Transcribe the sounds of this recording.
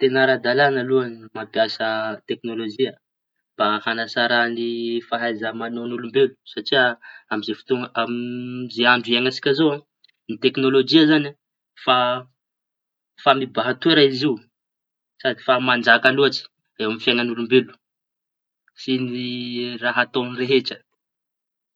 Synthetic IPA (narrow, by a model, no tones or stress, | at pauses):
t̪enaɾad̪alanəluanimabjasət̪eknolod͡ʒia | b̥ahanasaɾanifaɦajzəmanonulumbelu̥saʈ͡ʂiaamizefu̥t̪uŋamizeaɳɖ͡ʐuaŋasi̥kʲazoa | nit̪eknolod͡ʒiazana | fa | famibaɦat̪ueɾaiziu | sad̪ifamand͡ʒakanuat͡ʃi̥ | ewamifjaŋanulumbelu̥ | siniraɦat̪onireɦeʈ͡ʂə